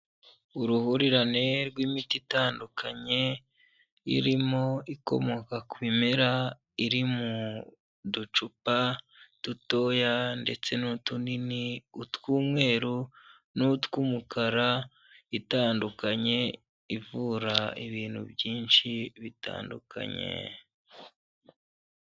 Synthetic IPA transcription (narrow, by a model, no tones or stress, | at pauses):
uɾuhuɾiɾane̞ɾɡwimititaːndukʰaɲe̞ | ḭɾimo̞iko̞̰mo̞kakuβimeɾa | iɾimu | dut͡ʃupa | tuto̞jande̞t͡se̞nutuniniutwuːmŋe̞ːɾu | nutwumukʰaɾa | itaːndukaɲe̞ | ivuɾaiβiːn̥hṵbjiːnʃiβita̰ːndṵkʰa̰ɲḛ